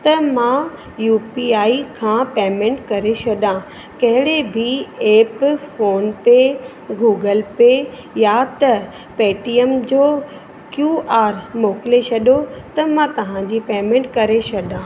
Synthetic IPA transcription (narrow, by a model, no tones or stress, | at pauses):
t̪ɐmãː | juːpiaːikʰãːpeːmẽːɳʈkɐɾesɐɗã | kɐɦɪɽebʱieːpfoːnpe | ɡuːɡəlpe | jat̪ɐ | peːʈiːemd͡ʑoː | kjuːʔaːɾmoːkɪlesʰɐɗot̪ɐmãt̪ɐʋ̤ãd͡ʑiːpeːmẽɳʈkɐɾesɐɗãː